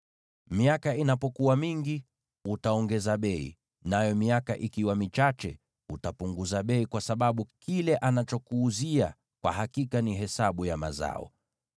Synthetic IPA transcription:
miakainapɔkuwamiŋɡi | utaɔŋɡɛzaɓɛḭ | najɔmiaka̰ʔikiwamit͡ʃat͡ʃɛ̰ | utapuŋɡuzaɓɛikwasaɓaɓukilɛʔanat͡ʃɔkuːzia̰ | kwa̰hakikaniɦɛsaɓujama̰za̰ɔ̰

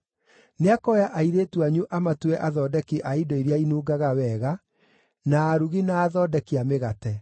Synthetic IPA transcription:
neakɔjaʔaiɾeːtwaɲuʔamatuɛʔaðɔːdɛkiʔaidɔiɾjainuːɡaɣawɛːɣa | naːɾuɣinaːðɔːdɛkiameɣatɛ

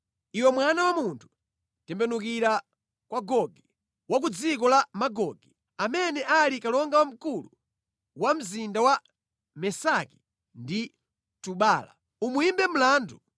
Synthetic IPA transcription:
iwɛmwanawamuntʰu̥ | tɛmbɛnukiɾa | kwaɡɔɡi | wak̬ud͡zik̬ɔlamaɡɔɡɛ | amɛnɛʔalikalɔŋɡawam̩kulu | wam̩zindawa | mɛsaki̥ | ndi | tuɓaːla̰ | umuimbɛm̩laːndu

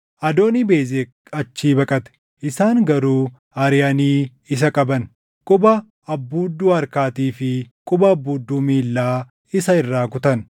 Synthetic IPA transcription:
ʔɐd̪o̞ːnibeːze | ɐt͡ʃːiːbɐkʼɐt̪ɛ̥ | ʔɪsaːŋɡɐɾuː | ɐɾɪjɐniː | ɪs̬ɐkʼɐbɐn | kʼʊbɐ | ɐbːuːd̪ːuːɐɾkaːt̪iːfɪkʼʊbɐːbːuːd̪ːuːmiːlːaː | ɪsɐɪrːaːkʊt̪ɐn

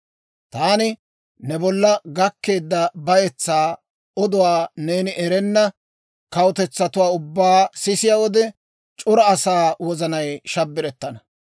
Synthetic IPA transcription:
t̪aːnɪ | nɛbɔlːɐɡɐkːe̞ːd̪ːɐbɐjɛt͡sːaː | ɔd̪ʊwaːne̞ːnɪʔɛɾɛnːɐ | kɐwʊt̪ɛt͡sːɐt̪ʊwaːʊbːaːsɪsɪjawɔd̪ɛ | t͡ʃʼʊɾɐːsaːwɔzɐnɐjʃɐbːɪɾɛt̪ːɐnɐ

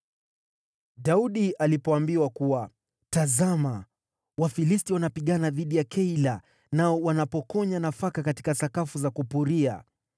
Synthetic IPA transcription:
ɗauɗiʔalipɔambiwakuwa | tazama | wafilistiwanapiɠanaðiɗijakʰɛila | naɔwanapɔkɔɲanafakakati̥kasakafuzakupuɾia̰

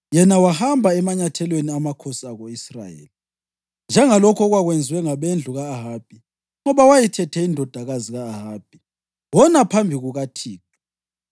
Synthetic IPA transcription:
jɛnawahambʱaɛmaɲatʰɛlweniamakʰɔsaɣoisra̰jḛːli | nd͡ʒʱɛŋalɔkʰɔɣwaɣwend͡zʱiwɛŋaβend͡ɮʱuɣaːɦaːb̥̚ʱi | ŋɔβawajitʰɛtʰɛindʱɔd̥ʱaɣaziɣaːɦaːb̥ʱi | wɔnapʰambʱiɣuɣatʰiːtu̥

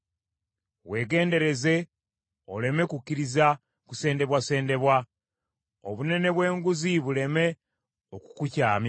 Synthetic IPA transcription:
we̞ːɡe̞ːnde̞ɾe̞ze̞ | o̞le̞me̞kukːiɾiza | kuse̞ːnde̞βwase̞ːnde̞βwa | o̰βune̞ne̞βwe̞ːŋɡuziβule̞me̞ | oku̥kucaːmj

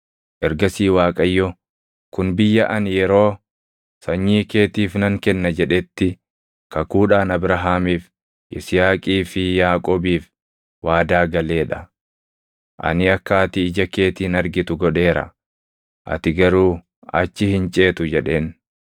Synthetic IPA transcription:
ʔɛɾɡɐsiːwaːkʼɐjːɔ | kʊnbɪjːɐʔɐnjɛɾo̞ː | sɐɲːiːke̞ːt̪iːfnɐŋkɛnːɐd͡ʒɛᶑɛt̪ːɪ | kɐkuːᶑaːnɐbɾɐɦaːmiːf | ʔɪsɪjaːkʼiːfɪjaːkʼoːbiːf | waːd̪aːɡɐle̞ːᶑɐ | ʔɐ̰nɪɐkːaːt̪ɪɪd͡ʒɐke̞ːt̪iːnɐɾɡɪt̪ʊɡɔᶑe̞ːɾɐ̰ | ʔɐ̰t̪ɪɡɐɾuː | ɐ̰t͡ʃːɪhɪnt͡ʃʼeːt̪ʊd͡ʒɛᶑe̞ːn

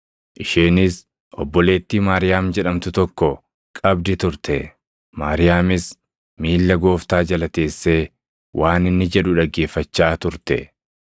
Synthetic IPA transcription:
ʔɪʃeːnɪs | ʔɔ̰bːɔle̞ːt̪ːiːmaːɾɪjaːmd͡ʒɛᶑɐmt̪ʊt̪ɔkːɔ | kʼɐbd̪ɪt̪ʊɾt̪ʰɛ | maːɾɪjaːmɪs | miːlːɐɡo̞ːft̪aːd͡ʒɐlɐt̪e̞ːsːe̞ː | wʔaːnɪnːɪd͡ʒɛᶑʊᶑɐɡːe̞ːfːɐt͡ʃːaːt̪ʊɾt̪ɛ

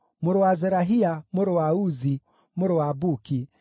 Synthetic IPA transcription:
muɾɔwazɛɾaɦiamuɾɔwauzi | muɾɔwabuki

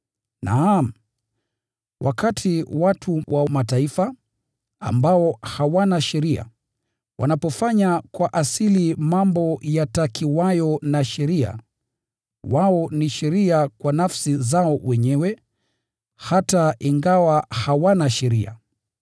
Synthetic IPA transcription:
naːm̩ | wʔa̰katʰiwatʰuwʔamataifa | a̰mbaɔhawanaʃɛɾia̰ | wʔa̰napɔfaɲakwaʔasilimambɔjatakʰiwajɔnaʃɛɾia̰ | waɔniʃɛɾiakwanafsizaɔwɛɲɛwɛ | hataʔiŋɡawahawanaʃɛɾia̰

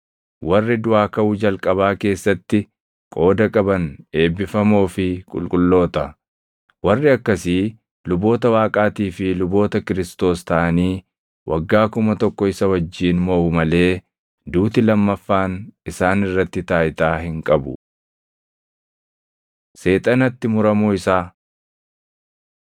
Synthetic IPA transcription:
wɐrːɪd̪ʊʔaːkɐʔʊd͡ʒɐlkʼɐβaːke̞ːsːɐt̪ːɪ | kʼo̞ːd̪ɐkʼɐbɐne̞ːbɪfɐmo̞ːfɪkʼʊ̰lkʼʊlːo̞ːt̪ɐ | wɐrːɪɐkːɐsiː | lʊbo̞ːt̪ɐwaːkʼaːt̪iːfɪlʊbo̞ːt̪ɐkɪɾɪst̪o̞ːst̪ɐʔɐniː | wʔɐɡːaːkʊmɐt̪ɔkːɔɪsɐwɐd͡ʒːiːnmoːʊmɐle̞ː | d̪uːt̪ɪlɐmːɐfːaːnʔɪsaːnɪrːɐt̪ːɪt̪aːjɪt̪aːhɪŋkʼɐbʊ | se̞ːt̪ʼɐnɐt̪ːɪmʊɾɐmuːɪsaː

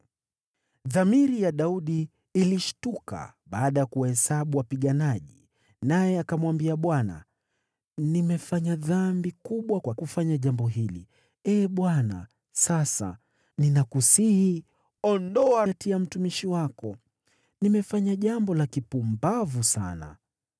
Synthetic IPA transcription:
ðamiɾijaɗauɗi | iliʃtuka̰ɓaːɗajakuhɛsaɓuwapiɠanaʄi | najɛakamwambiaɓwana̰ | nimɛfaɲaðambikuɓwakwakufaɲaʄambɔɦilḭ | ɛːɓwana̰ | sasa̰ | ninakusihi | ɔndɔatiam̩tumiʃiwakɔ | nimɛfaɲaʄambɔlakipumbavusa̰na̰

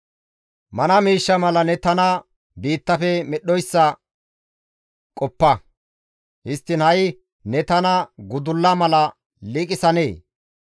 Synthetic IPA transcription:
mɐnɐmiːʃːɐmɐlɐnɛt̪ɐnɐ | biːt̪ːɐfɛmɛɗːɔjsːɐ | kʼɔpːɐ | hɪst̪ːɪnhɐj | nɛt̪ɐnɐɡʊd̪ʊlːɐmɐlɐ | liːkʼɪsɐneː

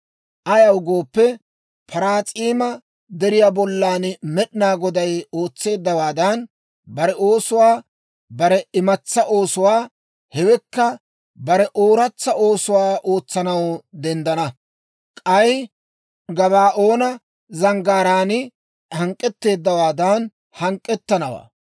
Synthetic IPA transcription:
ʔɐjɐwɡo̞ːpːɛ | pʰɐɾaːt͡sʼiːmɐ | d̪ɛɾɪjaːbɔlːaːnmɛɗɪnaːɡɔd̪ɐjo̞ːt͡sːe̞ːd̪ːɐwaːd̪ɐn | bɐɾɛʔo̞ːsʊwaː | bɐɾɛɪmɐt͡sːɐʔo̞ːsʊwaː | hɛwɛkːɐ | bɐɾɛʔo̞ːɾɐt͡sːɐo̞ːsʊwaːʔo̞ːt͡sːɐnɐwd̪ɛnd̪ɐnɐ | kʼɐj | ɡɐβaːʔo̞ːnɐ | zɐŋɡaːɾaːnɪ | hɐŋkʼːɛt̪ːe̞ːd̪ːɐwaːd̪ɐn | hɐŋkʼːɛt̪ːɐnɐwa̰ː

